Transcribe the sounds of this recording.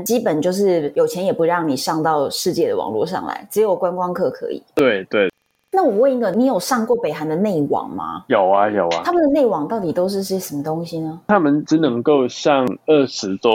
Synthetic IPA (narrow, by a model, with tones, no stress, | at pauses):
t͡ɕi˥pə˨˩nt͡ɕjo˥˧ʊʂ̬ɻ̩˥˩jo˨˩ʊt͡ɕʰjɛ˧˥njɛ˨˩pu˧˥ɻɑ˥˩ŋni˨˩ʂɑ˥˧ŋt̪ɑ˥˧ʊʂɻ̩˥˧t͡ɕjɛ˥˩d̪ə̰˨˩wɑ̰˨˩ŋlwɔ̰˥˧ʂɑ̰˥˩ŋla̰˧˦ɪʈ͡ʂɻ̩˧˥jo˨˩ʊkwa˥nkwɑ˥ŋkʰɤ˥˩kʰɤ̰˧˥ḭ˨˩˦t̪we˥˩ɪt̪we˥˩ɪ | na˥˩wɔ˨˩we˥˩i˧˥ɡə˧˨ni˧˥jo˨˩ʊʂɑ˥˧ŋkwɔ˥˩pe˨ɪɦa˧˥nd̪ə˨ne˥˩ɪwɑ̰˨˩˦ŋma̰˦jo˨˩ʊa˦jo˨˩ʊa̰˦a˥mə˨d̪ə˨ne˥˩ɪwɑ˨˩ŋt̪ɑ˥˩ʊt̪i˨˩t̪o˥ʊʂ̬ɻ̩˥˧ʂ̬̩˥i˥˩ʂə˧˦mə˧t̪o˥ŋɕi˨nə˧t̪ʰa˦˥mə˨nʈ͡ʂɻ̩˧˥nə˧˦˥ŋko˥˧ʊɕjɑ˥˨ŋə˥˩ʂɻ̩˧˦t̪wɔ˦